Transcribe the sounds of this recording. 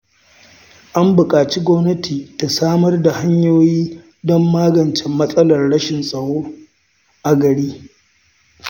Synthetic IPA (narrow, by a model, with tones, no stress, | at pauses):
ʔa˦mbʊ˨kʼaː˨t͡ʃi˦ɡʷɔ˦mnɐ˦tʰiː˨ta˨saː˦mɐ˦rda˨ha˦ɲjoː˦jiː˦ | dɔ˦mːaː˦ɡɐ˨nt͡ʃɛ˨mːɐ˦sʼɐ˦lɐ˨rɽɐ˦ʃɪ˨nsʼɐ˨ɽoː˦ | ʔa˨ɡɐ˨ɽiː˦